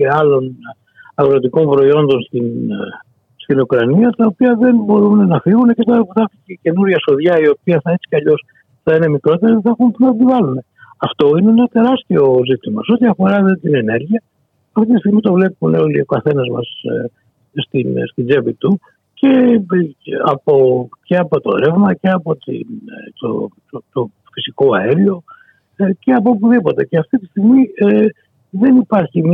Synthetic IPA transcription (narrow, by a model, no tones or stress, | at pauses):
eɐlon | ɐɣɾot̪iko̞mpɾo̞io̞nd̪o̞nst̪in | st̪inukɾɐniɐt̪ɐopiɐðe̞nbo̞ɾunenɐfiɣunecet̪ɐpuθɐt̪icece̞nuɾʝɐso̞ðʝɐio̞piɐθɐet͡si̥cɐʎo̞s | θɐine̞mikɾo̞t̪eɾiðeθɐxumpt̪ivɐlune̞ɐft̪o̞ineenɐt̪e̞ɾɐst̪io̞zit̪imɐseo̞t̪iɐfo̞ɾɐðet̪inene̞ɾʝiɐ | ɐft̪it̪ist̪iɣmit̪o̞vle̞puneo̞lio̞kɐθe̞nɐzmɐ̰s | st̪inst̪ind͡ʒevit̪u | ce̞ | ɐpo̞ce̞ɐpo̞t̪oɾevmɐce̞ɐpo̞t̪ḭnt̪o̰t̪ot̪o | fisiko̞ɐeɾio̞ | ce̞ɐpoop̬uðipo̞t̪e̞ceɐft̪it̪i̥st̪iɣmi | ðe̞nipɐɾçim